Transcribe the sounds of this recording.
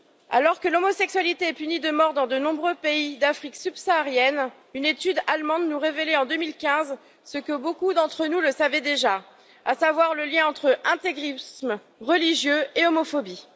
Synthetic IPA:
a̰lɔʁkəlomɔsɛksɥalit̪eɛpynid̪əmɔʁd̪ɑ̃d̪ənɔ̃bʁøpeid̪afχiksybsaːʁjɛn | ynet̪yd̪almɑ̃d̪nuʁeveleɑ̃d̪əmilkʲɛ̃z | səkəbokud̪ɑ̃t̪χənuləsavɛd̪eʒa | asavwaʁləljɛ̃ɑ̃t̪χəʔɛ̃t̪eɡʁism | ʁəliʒjøeomɔfɔbi

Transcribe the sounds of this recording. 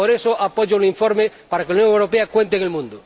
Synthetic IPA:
oɾesoʔapoʝouniɱfoɾme | paɾakelaunjoŋewɾopeakwẽnt̪eŋelmũnd̪o

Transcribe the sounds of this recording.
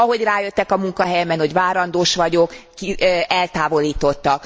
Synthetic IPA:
ɒɦo̞ɟraːjøt̪ːɛkɒmuŋkɒɦɛjɛmɛnho̞ɟvaːɾɒnd̪oːʃʋɒɟo̞kːiɛlt̪aːvo̞liːt̪o̞t̪ːɒk

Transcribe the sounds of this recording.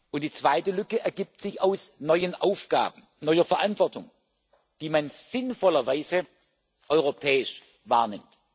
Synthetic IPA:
ʔʊntd̥iːt͡sv̥aɪtəlʏkəʔɛɐɡiːp̚tz̥ɪçaʊsnɔʏənʔaʊfɡ̥a̰ːbn̩ | nɔʏɐfɛɐʔantv̥ɔɐtʊŋ | d̥iːmanz̥ɪnfɔlɐvaɪzə | ʔɔʏʁopʰɛːɪʃ | va̰ːɐnɪmt

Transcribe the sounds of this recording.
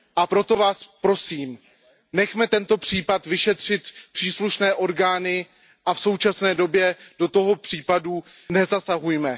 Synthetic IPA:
ʔapɾo̞t̪o̞vaːspɾo̞siːm | nɛxmɛt̪ɛnt̪o̞pr̝̥iːpat̪vɪʃɛt̪r̝̥ɪt̪pr̥iːsluʃnɛːʔo̞ɾɡaːnɪ | ʔafsowt͡ʃasnɛːdo̞bjɛd̥o̞t̪o̞ɦo̞pr̥iːpadu | nɛzasaɦujmɛ

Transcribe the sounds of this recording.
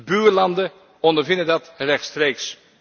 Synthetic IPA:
byːɹlɑndə | ɔndəɹvɪndədɑtrɛxtstreːks

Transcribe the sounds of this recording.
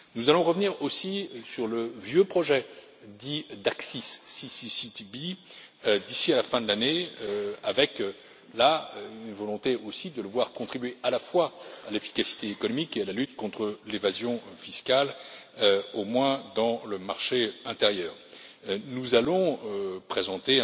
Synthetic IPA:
nuzalɔ̃ʁəvniʁosisyʁləvjøpχɔʒɛ | d̪id̪aksisːisisit̪bi | d̪isialafɛ̃d̪əlane | avɛk | laynvɔlɔ̃t̪eosid̪ələvwaʁkɔ̃t̪χibɥealafwaalefi̥kasi̥t̪eːkɔnɔmikealalyt̪kɔ̃t̪χəlevazjɔ̃fiskal | omwɛ̃d̪ɑ̃ləmaʁʃeɛ̃t̪eʁjœːʁ | nuzalɔ̃pχezɑ̃t̪e

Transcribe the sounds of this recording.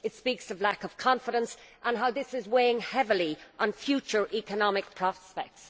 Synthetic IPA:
ɪtspiˑksʌvlakəv̥kʰɑ̃ɱfɪɾə̃nsʔə̃nɦaʊðɪsɪzweɪɪ̃ŋhɛvəliʔə̃nfjʉt͡ʃə˞ʔikənɑmɪk̚pʰɹ̥ɑspɛk̚ts

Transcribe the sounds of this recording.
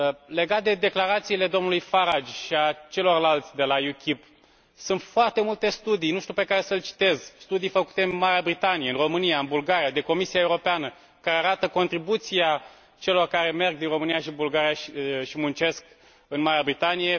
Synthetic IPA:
le̞ɡat̪̚d̪e̞d̪e̞klaɾat̪siːle̞d̪o̞mnulujfaɾad͡ʒʃiat͡ʃe̞lo̞rlalt̪sʲd̪e̞lajukʲip | sunt̪foart̪e̞mult̪e̞st̪ud̪ijnuʃt̪ʲupe̞kaɾe̞səlʲt͡ʃi̥t̪e̞zst̪ud̪ijfəku̥t̪e̞ɨnmaɾeabɾit̪anijeɨnro̞mɨnijaɨnbulɡaɾiad̪eko̞misijaeuɾo̞peanə | kaɾeaɾat̪əko̞nt̪ɾibut̪sia | t͡ʃe̞lo̞rkaɾe̞me̞rɡ̚d̪inro̞mɨnijaʃibulɡaɾijaʃʃimunt͡ʃe̞sk | ɨnmaɾeabɾit̪anije̞

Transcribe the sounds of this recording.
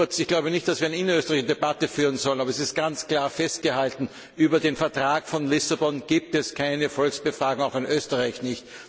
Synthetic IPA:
ɐt͡sɪçɡ̥laʊbənɪçt̚d̥asv̥iːɐɛnəɪnɐøːstəʁaɪçʃdebatəfyːʁ̞ənzɔlənaːbɐɛs̬ɪst̚ɡ̥ant͡skl̥aːɐfɛst̚ɡ̥əhaltn̩ | ʔyːbɐdeːnfɛɐtʁ̥aːkfɔnlɪsabɔnɡ̥iːp̚tɛskʰaɪnəfɔlksb̥əfʁ̥aːɡŋ̩aʊxɪnʔøːstəʁaɪçnɪçt

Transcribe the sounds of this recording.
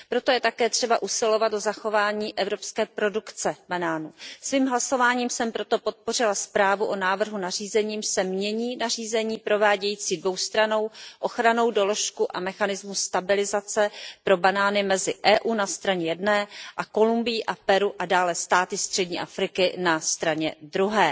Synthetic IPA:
pɾo̞t̪o̞jɛt̪akɛːt̪r̝̥ɛbaʔusɪlo̞vat̪̚dozaxo̞vaːɲiːʔɛvɾo̞pskɛːpɾo̞dukt͡sɛbanaːnusviːmɦlaso̞vaːɲiːmsɛmpɾot̪o̞po̞t̪̚po̞r̝ɪlaspɾaːvuʔo̞naːvr̩ɦunariːzɛɲiːmsɛmɲɛɲiːnar̝iːzɛɲiːpɾo̞vaːɟɛjiːt͡siːdvo̞wst̪ɾano̞wʔo̞xɾano̞wdo̞lo̞ʃkuʔamɛxanɪzmust̪abɪlɪzat͡sɛpɾo̞banaːnɪmɛzɪʔɛːʔuːnast̪ɾaɲɛjɛdnɛːʔako̞lumbɪjiʔapɛɾuʔadaːlɛst̪aːt̪ɪst̪r̝̥ɛɟɲiːʔafɾɪkɪnast̪ɾaɲɛd̪ɾuɦɛː

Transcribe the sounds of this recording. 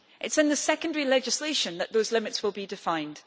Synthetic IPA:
ʔɪtsɪ̃nðəsɛkə̃ndəɹilɛd͡ʒɪsleʃə̃nðəʔðozlɪ̃mɪtswɪlˠbidɪfãɪ̃nd̥

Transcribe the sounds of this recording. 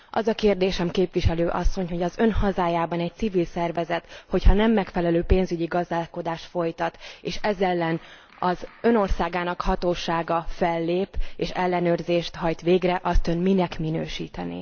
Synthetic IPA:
ʔɒzɒkeːrd̪eːʃɛmkeːpviʃɛløːʔɒ̰sːo̞ɲho̞ɟɒzø̞nhɒzaːjaːbɒnɛc̚tsivilsɛrvɛzɛt̪ho̞chɒnɛmːɛkfɛlɛløːpeːnzyɟiɡɒzd̪aːlko̞d̪aːʃt̪fo̞jt̪ɒt̪eːʃɛzɛlːɛn | ɒzø̞no̞rsaːɡaːnɒkhɒt̪oːʃaːɡɒfɛlːeːpeːʃɛlːɛnøːrzeːʃt̪ɦɒjt̪ʋeːɡrɛʔɒst̪ønminɛkminøːʃḭːt̪ɛnḭː

